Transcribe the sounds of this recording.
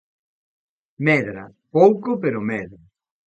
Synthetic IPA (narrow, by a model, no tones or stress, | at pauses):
mɛðɾa̰powkopeɾomɛðɾa